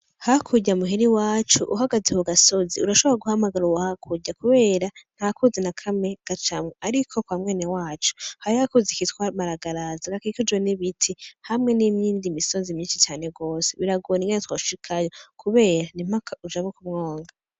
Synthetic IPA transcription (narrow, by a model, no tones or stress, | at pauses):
hakʰuɟamuɦeɾiwaːt͡ʃuʔuɦaɡazehuɡaso̞ziuɾaʃo̞βoɾaɡuhamaɡaɾuwahakʰuɟakuβe̞ːɾan̥hakuzenakʰame̞ɡ̥at͡ʃamŋeaɾikʰo̞kwamŋe̞ːnewaːt͡ʃu̥haiakuzikitkwamaɾaɡaɾazaɡakikud͡ʒweniβitʰihamŋe̞nimɲiːndimiso̞zimɲiːnʃit͡ʃaːne̞ɡo̞ːseβiɾaɡoniŋɡenetwoʃʃikʰajo̞kʰuβe̞ːɾanim̥akʰaud͡ʒaβokumŋo̞ːŋɡa